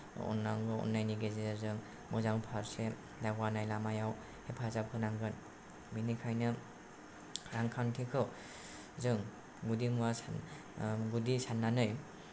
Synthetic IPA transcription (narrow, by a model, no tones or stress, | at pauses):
ɔ̰nːaŋɡɯɔ̰nːajniɡezezɯŋ | mɯzaŋpʰaɾse | daɡwanajlamajaw | hepʰazap̚kʰɯnaŋɡɯn | binikʰajnɯ | ɾaŋkʰantʰikʰɯw | zɯŋ | ɡudimuwas | ɡudisanːanɯj